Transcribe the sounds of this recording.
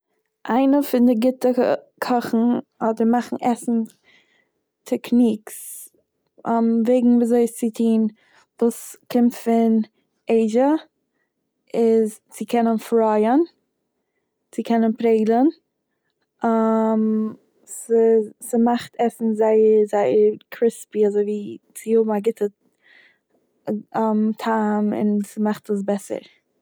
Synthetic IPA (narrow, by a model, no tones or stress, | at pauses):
ʔaɪnəfɪndɪɡɪtəkʰɔχn̩hɔdəɾmaχn̩ʔɛsn̩ | tʰɛkniːks | amveɪɡŋ̩viːzoɪst͡sɪtʰiːn | vuːskʰɪmtfɪn | eɪʒə | ɪz | t͡sɪkʰɛnənfɾaɪən | t͡sɪkʰɛnənpɾeɪɡlˠən | am | sɪsimaχtʰɛsn̩zaɪəɾzaɪəɾkʰɾɪspiazoɪviːt͡sɪhʊbm̩aɡɪtʰə | amtʰaːmɪ̰nsɪmaχtəs̬bɛsə̰ɾ